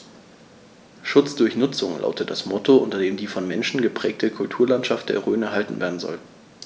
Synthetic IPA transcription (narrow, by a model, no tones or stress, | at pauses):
ʃʊt͡sd̥ʊɐçnʊt͡sʊŋlʔa̰ʊtət̚d̥asmɔtoʔʊntɐdeːmdiːfɔnmɛnʃn̩ɡəpʁ̥ɛːk̚tʰəkʰʊltʰuːɐlantʃaft̚d̥ḛːɐʁøːnɛɐɦaltn̩veːɐdn̩zɔ̰l